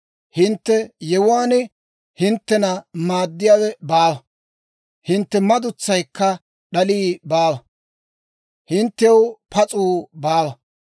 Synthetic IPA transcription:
hɪnt̪ːɛjɛwʊaːnɛ | hɪnt̪ːɛnɐmaːd̪ːɪjaːwɛbaːwɐ | hɪnt̪ːɛmɐd̪ʊt͡sːɐjkːɐ | ɗɐliːbaːwɐ | hɪnt̪ːɛwpɐt͡sʼuːbaːwɐ

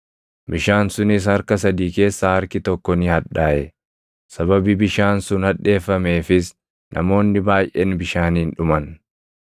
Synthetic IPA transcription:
bɪʃaːnsʊnɪs̬hɐɾkɐsɐd̪iːke̞ːsːaːhɐɾkɪt̪ɔkːɔnɪhɐᶑaːʔɛ | sɐbɐbɪbɪʃaːnsʊnhɐᶑe̞ːfːɐme̞ːfɪs | nʔɐ̰mo̞ːnːɪbaːjʔḛːnbɪʃaːniːnᶑʊmɐn

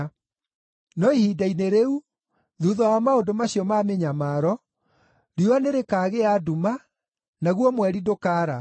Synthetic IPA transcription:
nɔihidaineɾeu | ðuːðɔamaodomaɕiɔmameɲamaːɾɔ | ɾiwaneɾekaːɣeaduma | naɣwɔmwɛɾidokaːɾa

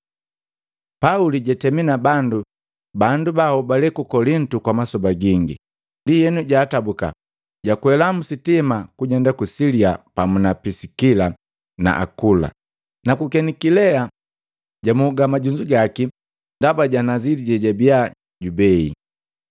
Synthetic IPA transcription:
pauliɟatɛminabandu | bandubahɔbalɛkukɔlintukwamasɔbaɡiŋɡḭ | ndijɛnuɟaːtabuka̰ | ɟakwɛlam̩sitimakuɲɛndakusiliapamunapisikila | na̰ʔa̰kula̰ | nakukɛnikilɛa | ɟamuːɡamaɟuɲd͡ʒuɡaki | ndabaɟanaziliɟɛɟabia | ɟubɛḭ

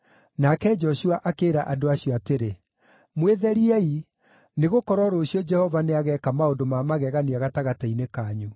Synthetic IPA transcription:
nakɛd͡ʒɔɕuaʔakeːɾaʔadoaɕjɔateɾe | mweðɛɾiɛi | neɣokɔɾɔɾoːɕiɔd͡ʒɛhɔvaneaɣɛkamaondomamaɣɛɣaniaɣataɣatainekaɲu

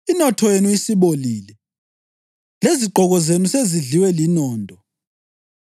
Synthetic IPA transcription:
inɔtʰɔjenuisiβoliːlɛ | leziɡ͡ǃʱɔɣɔzenuseziɮiwɛlinɔːntʼɔ

